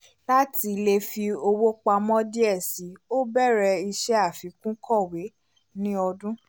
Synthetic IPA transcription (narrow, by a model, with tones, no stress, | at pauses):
la˦ti˧le˧fi˧o˧wo˦k͡pa˧mɔ̃˦di˦ɛ˦˨si˨˦o˦bɛ˦˨ɾɛ˧i˧ʃɛ˦a˦˨fi˨˦kũ˦kʰɔ˦˨we˨˦ | nĩ˦ɔ˧dũ˦